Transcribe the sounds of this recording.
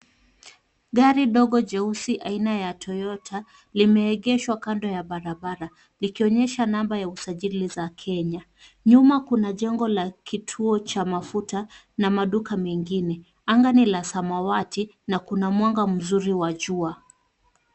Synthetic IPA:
ɠaɾiɗɔɠɔd͡ʒɛusiʔainajatʰɔjɔtʰa | limɛːɠɛʃwakandɔjaɓaɾaɓaɾa | likiɔɲɛʃanambajausaʄilizakʰɛɲa | ɲumakunaʄɛŋɡɔlakʰitʰuɔt͡ʃamafuta | namaɗukamɛŋɡinɛ | aŋɡanilasamawati | nakunamwaŋɡam̩zuɾiwaʄua

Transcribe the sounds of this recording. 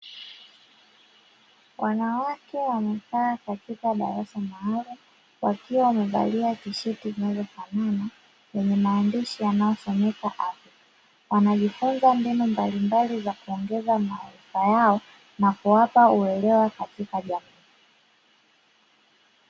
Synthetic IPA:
wʔanawakɛwamɛkaːkatikaɗa̰ɾasamahalum | wa̰kiwawamɛva̰liatiʃitizinazɔfanana | jɛɲɛmaːndiʃijanajɔsɔmɛkaʔafi | wanaʄifunzambinumbalimbalizakuɔŋɡɛzamaːɾifajaɔ | nakuwapauɛlɛwakatikaʄamiː

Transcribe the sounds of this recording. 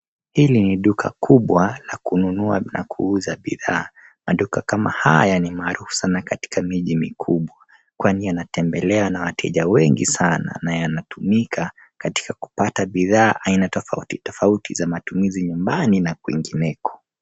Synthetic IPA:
hiliniɗukʰa̰kʰuɓwalakununua̰na̰kʰuuzaɓḭðaː | maɗukakama̰ha̰janimaːɾufu̥sanakati̥kʰamiʄimikʰuɓwa | kwanijanatʰɛmbɛlɛanawatʰɛ̰ʄawɛŋɡḭsana̰najanatumikʰa | kati̥kaku̥pataɓiðaːʔainatɔfautitɔfautʰizamatumiziɲumbaninakuḭŋɡinɛkɔ̥

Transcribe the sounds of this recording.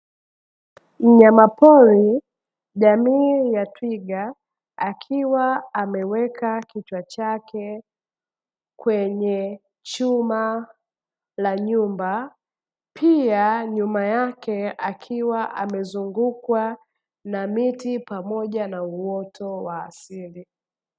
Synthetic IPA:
ɲamapɔli | ʄamiːjatwiɠa | akʰiwaamɛwɛkakit͡ʃwat͡ʃakʰɛ | kwɛɲɛ | t͡ʃuma | laɲumba | pʰiaɲumajakɛakʰiwaʔamɛzuŋɡukwa | namitipamɔʄanauwɔtʰɔwaːsili

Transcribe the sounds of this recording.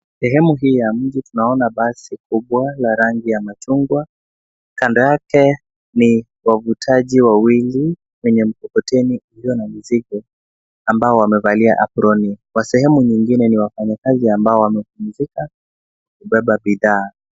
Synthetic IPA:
sɛɦɛmuɦiːjam̩ʄitunaɔnaɓasikuɓwalaɾaŋɡijamat͡ʃuŋɡwa | kandɔjakɛ | ni | wavutʰaʄiwawili | wɛɲɛm̩kɔkɔtʰɛniuhiɔnamiziɡɔ | ambaɔwamɛvalia̰ʔapɾɔnikwasɛhɛmuɲiŋɡinɛniwafaɲakaziambaɔwamɛfund͡ʒika | kuɓɛɓaɓiðaː

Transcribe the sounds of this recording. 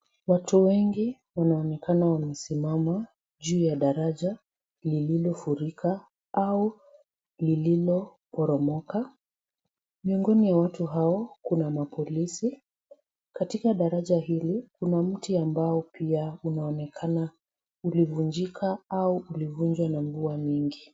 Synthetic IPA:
watuwɛŋɡi | wanaɔnɛkanawamɛsimama | ʄuːjaɗaɾaʄa | lililɔfuɾikʰa | au | lililɔpɔɾɔmɔka | miɔŋɡɔniwawatuɦaɔkunamapɔlisi | katikaɗaɾaʄaɦilikunam̩tiambaɔpiaunaɔnɛkʰana | ulivuɲd͡ʒikʰaauʔulivuɲd͡ʒwanaɱvuamiŋɡi

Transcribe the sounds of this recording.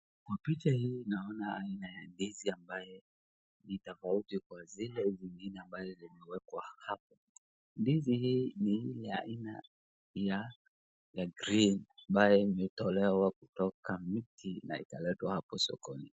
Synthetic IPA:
kwapit͡ʃahiːnaɔnaainajandiziambajɔ | nitafautikwazilɛziŋɡinɛambazɔzimɛwɛkwahap̚ɔ | ndizihiːniilɛa̰ina̰ | ja | jaɡɾinambajɔimɛtɔlɛwakutɔkamitʰina̰ḭtalɛtwahapɔsɔ̰kɔni

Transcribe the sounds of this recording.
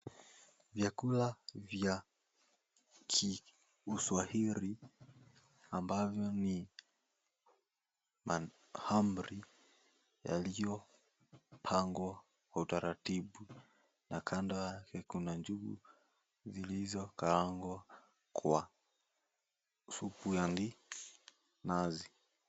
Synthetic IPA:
vjakulavja | kʰi | uswahiɾi | ambavjɔni | ma | hamɾi | ja̰lijɔ | m̩pʰaŋɡwa | wautaɾatiɓu | nakʰandɔjakɛkunaɲd͡ʒuɡṵ | zilizɔkalaŋɡwa | kʰwa | supujandi | nazi

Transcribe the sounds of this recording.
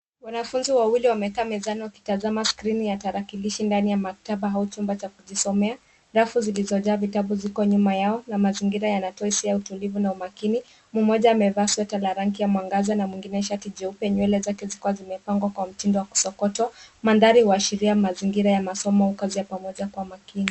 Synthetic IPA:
wanafunziwawiliwamɛkaːmɛzaniwaki̥tazamaskɾinijataɾakiliʃindanijamak̚taɓaɦaut͡ʃumbat͡ʃakuʄisɔmɛa | ɾafuzilizɔʄaːvitabuzikɔɲumajaɔnamaziŋɡiɾajanatɔisiautulivunaumakini | mumɔʄaːmɛvaswɛtalaɾaŋk̬ijamwaŋɡazanamwiŋɡinɛʃ̬atiʄɛupɛɲwɛlɛzakɛzikuwazimɛpaŋɡwakwam̩tindɔwaku̥sɔkɔtamanðaɾihuaʃiɾiamaziŋɡiɾajamasɔmɔhukazijapamɔʄakwamakini

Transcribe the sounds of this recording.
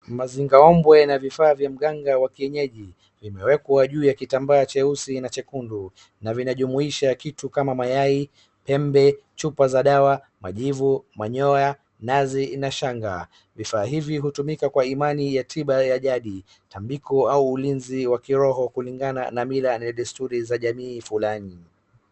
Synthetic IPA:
maziŋɡaɔmbwɛnavifaːvjam̩ɠaŋɡawakiɛɲɛʄi | vimɛwɛkwaʄuːjakitambaːt͡ʃɛusinat͡ʃɛkundu | navinaʄumuiʃakitukamamajai | pɛmbɛt͡ʃupazaɗawa | ma̰ʄivumaɲɔja | nazinaʃaŋɡa | vifaːɦiviɦutumikakwaimanijatʰiɓajaʄaɗi | tambikɔauːlinziwakiɾɔɦɔkuliŋɡana̰namilanɛɗɛstuɾizaʄamiːfulani

